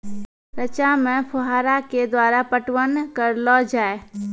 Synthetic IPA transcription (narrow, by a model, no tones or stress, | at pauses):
ɾət͡ʃamẽpʰʊɦaːɾaked̪waːɾapəʈwənkəɾlɔd͡ʒaːe